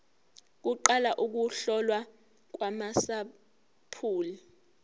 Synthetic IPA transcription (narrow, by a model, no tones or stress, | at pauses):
k̬uǃalaʔuk̬uɬɔlwa | k̬wamasa | pʰuːli